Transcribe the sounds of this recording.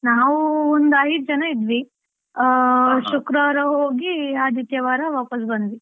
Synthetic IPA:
naːʋuond̪ɐjt̪̚d͡ʒɐnɐid̪ʋi | ʃukɾaɾɐɦoːɡiaːd̪it̪jɐʋaːɾɐʋaːpɐs̬bɐnd̪ʋi

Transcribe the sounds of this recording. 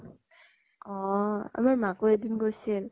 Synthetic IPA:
ɔa̰maɹmakuedinɡosil

